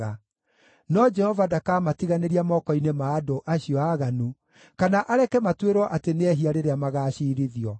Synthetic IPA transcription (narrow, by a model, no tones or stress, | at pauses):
a | nɔd͡ʒɛhɔvadakaːmatiɣaneɾiamɔkɔinemaːdoʔaɕiɔaɣanu | kanaʔaɾɛkɛmatweɾwɔʔateneɛɦiaɾeɾeamaɣaːɕiːɾiðiɔ